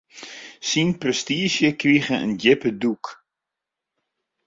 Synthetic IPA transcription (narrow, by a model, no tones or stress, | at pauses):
sinprɛstiəʃjəkriɣəə̰njɪpəduk